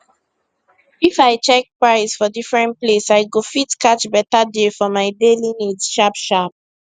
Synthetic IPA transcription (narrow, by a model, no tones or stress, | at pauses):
ifaɪt͡ʃɛk̚pɹaɪsfɔdifɹɛ̃ntplesaɪɡofitkat͡ʃbɛtadefɔmaɪdelinidʃapʃap̚